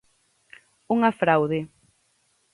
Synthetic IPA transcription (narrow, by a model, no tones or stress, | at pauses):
uŋafɾawðɪ